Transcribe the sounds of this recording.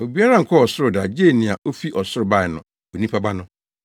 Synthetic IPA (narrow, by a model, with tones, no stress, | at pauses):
o˨bi˨˦a˦ɾã˦ŋ̩˨kʰɔ˦ɔ˨sʊ˦ɾʊ˨da˨d͡ʑe˦˨nĩ˨a˨ʔo˦fi˦ʔɔ˨sʊ˦ɾʊ˨ba˦˨ɪ˨nʊ̃˨ | o˨nĩ˦pʰa˦ba˦nʊ̃˦